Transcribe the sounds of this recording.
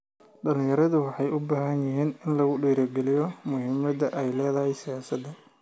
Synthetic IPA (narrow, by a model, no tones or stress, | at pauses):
ɖɐlɪ̃ŋjɐɾɐðʊwɑħɑjʔʊbaːɦɐnjɪɦiːnɪnlɐɣʊɖiːɾɐɡɛlɪjɔmʊhɪmɐd̪ɐʔɛjlɛːðɐɦɛjsɪjaːsɐd̪ːɐ